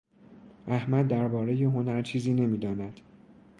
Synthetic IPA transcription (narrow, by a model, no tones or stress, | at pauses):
ʔæhmæd̪̚ːæɾbɒːɾe̞je̞ɦo̞næɾt͡ʃʰiːziːne̞miːd̪ɒːnæd̪̥